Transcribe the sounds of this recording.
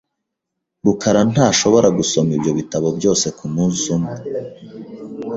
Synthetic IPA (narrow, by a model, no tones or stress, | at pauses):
ɾukaɾan̥haːʃo̞βo̞ɾaɡuso̞mibjo̞βitaβo̞bɟo̞ːse̞kumuːnsomu